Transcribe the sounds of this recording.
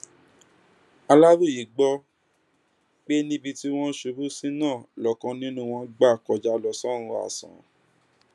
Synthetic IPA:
a˧la˦ɾu˦˨ji˨ɡ͡bɔ˦ | k͡pe˦nĩ˦bi˧ti˦w̃ɔ̃˦ʃu˧˦bu˦sĩ˦nãː˦˨lɔ˨˦kã˧nĩ˦nũ˦w̃ɔ̃˧ɡ͡ba˦˨kɔ˧d͡ʒa˦lɔ˧sɔ̃˦˨ɾ̃ũ˧a̰˨sã̰˨

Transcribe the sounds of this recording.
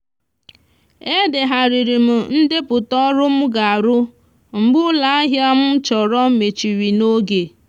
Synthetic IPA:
e˦de˨ɦa˨ɾi˨ɾi˨m̩˨n̩˦de˦pʊ˨tɔ˦ɾʊ˦m̩˦ɡa˨a˨ɾʊ˦ | m̩˨ɡ͡bʊ˦la˦a˦ɦja˦m̩˦t͡ʃɔ˨ɾɔ˦me˨t͡ʃi˨ɾi˨no˦ɡe˨

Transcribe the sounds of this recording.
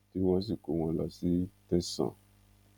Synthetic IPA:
ti˦wa˦s̬i˨ko˨w̃ɔ̃˧la˨si˦tɛ˦sã̰˨

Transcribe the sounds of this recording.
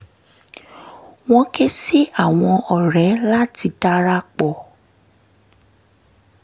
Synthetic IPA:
w̃ɔ̃˦ke˦si˦a˦˨w̃ɔ̃˧ɔ˨ɾɛ˨˦la˦ti˧˦ta˦ɾa˦k͡pɔ˨

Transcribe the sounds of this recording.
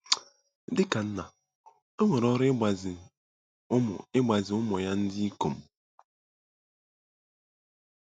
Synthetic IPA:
dɪ˦ka˨n̩˦na˨ | o˦ŋʷe˨ɾɔ˦ɾa˨zɪ˨ | ʊ˦m̰˨ɪ˦ɡ͡ba˨zɪ˨˦ʊ˦mɔ˨ja˦n̩˦dɪ˦i˦ko˨m̩˨

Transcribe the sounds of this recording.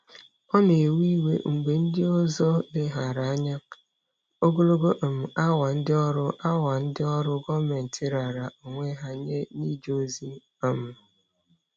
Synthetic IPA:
ɔ˦n˨e˨wi˦wḛ˦ŋ̩˨ɡ͡be˨n̩˦dɪ˦ɔ˦zɔ˦lɪ˦ɦa˨ɾa˨a˦ɲa˦ | o˦ɡo˦lo˦ɡo˦ʔ̩˨m̩˨a˦wa˨n̩˦dɪ˦ɔ˦ɾʊ˦ʔa˦wa˨n̩˦dɪ˦ɔ˦ɾʊ˦ɡɔ˦me˨n̩˨tʰɪ˦ɾa˨ɾa˨ʔo˨ŋʷe˦ɦa˨ɲe˦ni˦d͡ʒo˦zi˦˨ | m̩˨

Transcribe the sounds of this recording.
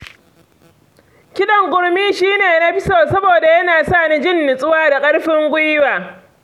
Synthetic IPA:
kʲɪ˦ɗɐ˨ŋɡʷʊ˨ɽmiː˦ʃiː˦neː˨na˦ɸɪ˦soː˨sɐ˦boː˨da˨jɐ˦naː˨saː˦˨ni˦d͡ʒɪ˦˨nːɪ˨sʼʊ˦waː˦da˨kʼɐ˦ɽɸɪ˦ŋɡʷʊ˦jwaː˨

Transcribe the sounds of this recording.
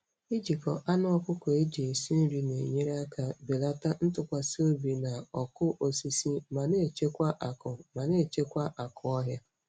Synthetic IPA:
i˦d͡ʒi˨kɔ˨ʔa˦nʊ˦ɔ˦kʊ˦kɔ˨e˦d͡ʒe˨e˨si˦n̩˦ɾi˨nḛ˨ɲe˦ɾa˦ka˨be˨la˦ta˦n̩˦tʊ˨kʷa˨so˦bi˨na˨ɔ˨kʊ˦ʔo˨si˦si˦ma˨ne˦˨t͡ʃe˦kʷa˦ʔa˨kʊ˨ma˨ne˦˨t͡ʃe˦kʷa˦ʔa˨kʊ˦ɔ˦ɦja˦

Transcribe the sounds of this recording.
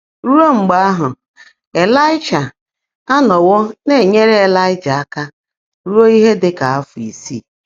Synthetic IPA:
ɾu˦ɾo˦ŋ͡m̩˨ɡ͡ba˦a˦ɦʊ˨ | e˨la˦ɪ˦d͡ʒa˨ | a˦nɔ˨wɔ˦ne˦˨ɲe˦ɾe˦e˨la˦ɪ˦d͡ʒa˨a˦ka˦ | ɾu˦ɾo˦i˦ɦe˦de˦ka˨a˦fʊ˨i˨sḭː˦˨

